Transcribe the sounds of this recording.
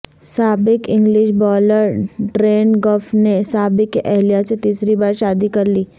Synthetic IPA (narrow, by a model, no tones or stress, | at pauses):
saːbɪkɪ̃ŋɡlɪʃbɔːləɾɖɾeːnɡɔːfnesaːbɪkːeʔɛɦlijaset̪iːsɾibaːɾʃaːd̪ikɐɾliː